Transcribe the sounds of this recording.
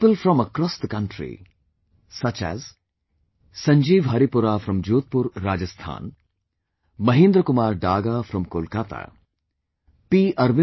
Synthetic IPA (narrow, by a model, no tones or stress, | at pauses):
pəlfɾɔ̃məkɾɔst̪kɐ̃ɳʈɾḭ | sɐt͡ʃɛ̰z | sɐ̃ɲd͡ʒiːʋɦɐɾipʊɾafɾɐ̃md͡ʒoːt̪̚pʊɾːaːd͡ʒəst̪ʰa̰ːn | mɐɦẽːnd̪ɾəkʊmaːɾɖaːɡafɾɔ̃mkoːlkaːt̪a̰ | piːʔɐɾʋɪ̃